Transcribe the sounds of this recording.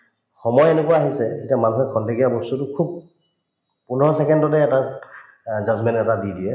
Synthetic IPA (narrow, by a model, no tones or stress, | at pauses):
xɔmɔjɛnekuaaɦisɛketiamanuxɛkʰɔndeɡijabɔstutʊkʰub̚ | punɔɹɔsɛkɛndɔtɛːta | zazmɛntɛtadidijɛ